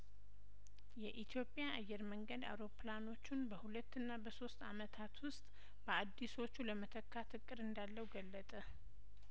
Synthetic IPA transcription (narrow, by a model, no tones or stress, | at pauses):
jɛʔit̪ʰjo̞pʼjaʔːjːɛɾməŋɡəd̪a̰wɾo̞plano̞t͡ʃːunbəhulət̪ːɨnːabəso̞st̪a̰mət̪ʰat̪wʊst̪ʼ | b̥əad̪ːiso̞t͡ʃːuləmət̪ʰəkːat̪ʰɨkʼːɨɾɨnd̪alːəwɡəlːət̪ʼə